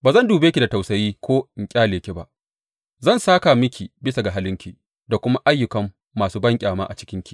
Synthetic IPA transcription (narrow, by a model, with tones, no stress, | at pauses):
baː˨zɐ˦nduː˨beː˦kʲi˨da˨ta˨wsɐ˨jiː˦kʷʰoː˦ɪ˨ŋkʲʼaː˦leː˨kʲe˦ba˦˨ʔ | zɐ˦˨nsaː˦ka˨mɪ˦kʲʰi˨bɪ˦sa˨ɡa˨ɦa˦lɪ˦ŋkʲi˨ | da˨kʷʊ˦ma˦ʔa˦jːʊ˨kɐ˨mː | aː˨suː˦bɐ˦ŋkʲʼaː˨maː˦ʔa̰˨t͡ʃɪ̥˦kʲɪ˦ŋkʲi˦